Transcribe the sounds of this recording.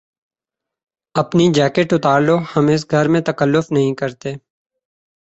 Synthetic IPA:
əpniːd͡ʒɛːkeʈʊt̪aːɾloːhəmɪs̬ɡʱəɾmẽːt̪əkəlːʊfnəɦĩːkəɾt̪eː

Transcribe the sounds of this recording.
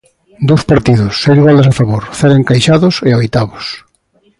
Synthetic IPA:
d̪owspaɾt̪iðʊsːejlɣald̪ɐsafaβoɾθɛɾeŋkajʃaðʊseojt̪aβʊs

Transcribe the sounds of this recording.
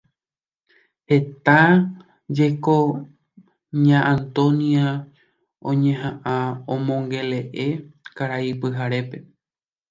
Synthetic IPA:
he̞t̪a | d͡ʒe̞ko | ɲãʔãnt̪õnia | õɲẽɦãʔãõmõ̞ŋɡe̞le̞ʔe̞kaɾaipɨɦaɾe̞pe̞

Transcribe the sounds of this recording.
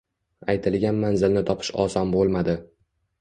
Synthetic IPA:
ajt̪ʰɪlɡʲanmanzɪlnɪt̪ʰɒpʰɪ̥ʃɒ̰sɒnbolˠmad̪ɪ

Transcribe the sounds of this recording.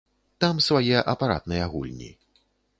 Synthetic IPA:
t̪amsvajɛʔɐpaɾa̰t̪̚nɨjɛaɣṵlʲnʲḭ

